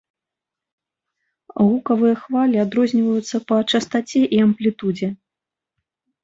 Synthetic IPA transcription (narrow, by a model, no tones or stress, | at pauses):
ɣukɐvɨjɐxvalʲiad̪ɾɔzʲnʲivɐjut̪sːɐpɐt͡ʂɐst̪at͡sʲɛʔiɐmplʲit̪ud͡zʲɛ